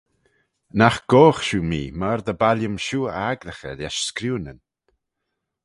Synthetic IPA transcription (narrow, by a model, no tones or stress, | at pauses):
naxɡ̥oːxʃuːmiːmaɾd̪əbaljəmʃuːaɡləxə̰ljaʃskɾuːnən